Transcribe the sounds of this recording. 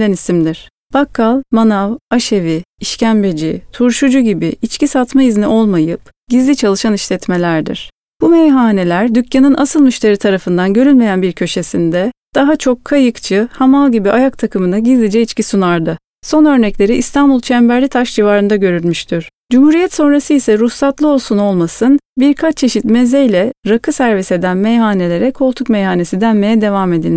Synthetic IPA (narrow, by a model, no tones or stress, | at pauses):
ɛnisimd̪iɾ̥ | b̥akʰːalˠmanavaʃe̞viiʃcʰænbe̞d͡ʒit̪ʰuɾʃud͡ʒuɟibiit͡ʃcʰisat̪maizniʔo̞lˠmajɯp | ɟ̥izlʲit͡ʃʰalˠɯʃaniʃlʲɛt̪me̞lʲæɾd̪ḭɾ̥ | b̥umejɦaːne̞lʲæɾd̪ycʰːanɯnʔasɯlˠmyʃt̪ʰe̞ɾit̪ʰaɾafɯnd̪anɟø̞ɾylʲmejænbiɾcʰø̞ʃe̞sind̪ɛd̪̥aɦat͡ʃʰo̞kʰːajɯkt͡ʃʰɯhamalˠɟibiʔajak̚t̪ʰakʰɯmɯnaɟizlʲid͡ʒɛit͡ʃcisunaɾd̪ɯ | so̞nø̞ɾnɛclʲe̞ɾiʔist̪ʰanbulˠt͡ʃʰɛmbæɾlʲit̪ʰaʃd͡ʒivaːɾɯnd̪aɟø̞ɾylʲmyʃt̪ʰiɾ̥d͡ʒumhuːɾijɛt̪so̞nɾasɯisɛɾusat̪lˠɯo̞lˠsuno̞lˠmasɯnbiɾkʰat͡ʃt͡ʃʰe̞ʃit̪mezɛjlʲɛɾakʰɯsæɾvise̞d̪ænmejɦaːne̞lʲe̞ɾɛkʰo̞lˠt̪ʰukmejhaːne̞sid̪ænme̞jɛd̪e̞vame̞d̪ilʲ